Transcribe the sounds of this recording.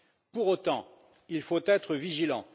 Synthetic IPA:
puʁot̪ɑ̃ | ilfot̪ɛt̪χəviʒilɑ̃

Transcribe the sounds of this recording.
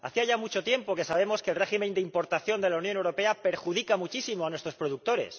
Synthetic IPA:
a̰θiaʝamut͡ʃo̞t̪je̞mpo̞ke̞saβe̞mo̞ske̞lre̞ximẽ̞nd̪eimpo̞ɾt̪aθjo̞nd̪e̞launjo̞newɾo̞pe̞ape̞ɾxuðikamut͡ʃisimo̞anwest̪ɾo̞spɾo̞ðuk̚t̪o̞ɾe̞̰s

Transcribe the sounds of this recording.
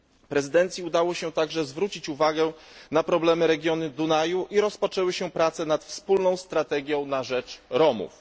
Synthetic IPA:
pɾɛzɘd̪ɛnt̪sʲjiud̪awɔɕɛt̪aɡʐɛzvɾut͡ɕit͡ɕuvaɡɛnapɾɔblɛmɘɾɛɡʲjɔnɘd̪unajuʔiɾɔspɔt͡ʂɛwɘɕɛpɾat̪sɛnat̪fspulnɔ̃w̃st̪ɾat̪ɛɡʲjɔ̃w̃naʐɛt͡ʂɾɔmṵf

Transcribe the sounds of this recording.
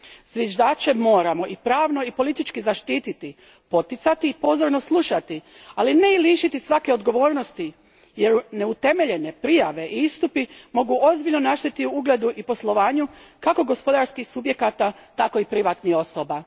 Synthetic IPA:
z̥ʋʲjeʒd̪aːt͡ʃe̞mo̞ːɾamo̞ʔipɾaːʋno̞ipo̞lit̪it͡ʃkizaʃt̪iːt̪it̪i | po̞t̪it̪sat̪iːpo̞zo̞ɾno̞slˠuʃat̪i | aline̞iliːʃit̪isʋake̞o̞d̪ɡo̞ʋo̞ːɾnost̪i | je̞ɾune̞ut̪e̞me̞ʎe̞ne̞pɾijaʋe̞ʔiist̪upimo̞ɡuo̞zbiʎno̞naʃt̪et̪iuuɡle̞d̪uʔipo̞slˠo̞ʋaːɲukako̞ɡo̞spo̞d̪aɾskixsubje̞kat̪at̪ako̞ipɾiʋat̪nixo̞soba

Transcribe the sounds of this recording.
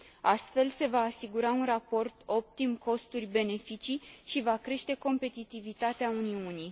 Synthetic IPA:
ast̪fe̞lse̞vaːsiɡuɾaunrapo̞rt̪o̞p̚t̪imko̞st̪urʲbe̞ne̞fit͡ʃijʃivakɾe̞ʃt̪e̞ko̞mpe̞t̪it̪ivit̪at̪eauniunij

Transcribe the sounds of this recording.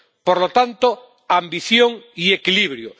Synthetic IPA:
poɾlot̪ant̪o | ambiθjoŋiekiliβɾjo

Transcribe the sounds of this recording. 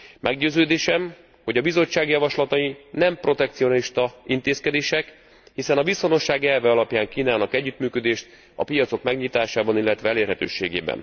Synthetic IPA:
mʔɛɡɟøːzøːd̪eːʃɛm | ho̞ɟɒbizo̞t͡ʃːaːɡjɒvɒʃlɒt̪ɒjinɛmpro̞t̪ɛkt̪sio̞nliʃt̪ɒint̪eːskɛd̪eːʃɛk | hisɛnɒviso̞no̞ʃːaːɡɛlvɛɒlɒpjaːŋkiːnaːnɒkɛɟːyt̪myːkø̞d̪eːʃt̪ | ɒ̰pijɒt̪so̞kmɛɡɲit̪aːʃaːbɒnilːɛt̪ʋɛɛleːrɦɛt̪ø̰ːʃḛːɡḛːbɛ̰n

